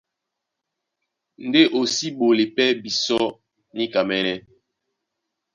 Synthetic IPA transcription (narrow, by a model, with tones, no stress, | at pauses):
n̩˨de˦ʔo˨si˦ɓo˨le˨pɛ˦bi˨sɔ˦ | ni˦ka˨mɛ˦nɛ˦